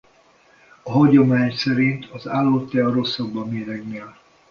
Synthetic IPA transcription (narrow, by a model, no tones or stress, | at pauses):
ɒɦɒɟo̞maːɲsɛɾint̪ʰɒzaːlːoːt̪ɛɒɾo̞sːɒɡbːɒmeːɾɛɡneːl